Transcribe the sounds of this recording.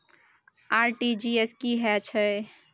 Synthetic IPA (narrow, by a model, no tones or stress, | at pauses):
aɾʈid͡ʒieskiɦɛt͡ʃʰə